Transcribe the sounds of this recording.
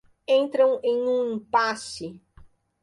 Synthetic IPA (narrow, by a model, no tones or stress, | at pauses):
ẽnt̪ɾɐ̃w̃ẽjũĩpasɪ